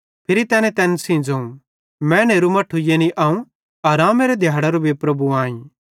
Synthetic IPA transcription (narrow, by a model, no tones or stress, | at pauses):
pʰɪɾit̪ɛːnɛ̃t̪ɛːnsĩd͡zoũ | mɛ̃ːneːɾumɐʈʰːujenĩʔaːũ | ɐɾaːmeɾed̪ʱjaːɽaɾubʱipɾɐbuãːĩ